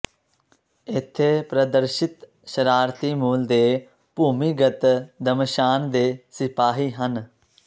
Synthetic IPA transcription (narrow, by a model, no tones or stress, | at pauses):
ɪt̪ʰːeːpɾəd̪əɾʃɪt̪ | ʃəɾaːɾt̪iːmuːld̪eː | puːmiːɡət̪d̪əmʃaːnd̪eːsɪpaːɦiːɦən